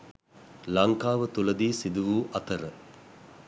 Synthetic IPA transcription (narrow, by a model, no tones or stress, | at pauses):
lɐŋkaːʋət̪uləd̪iːsid̪uʋuːʔɐt̪əɾə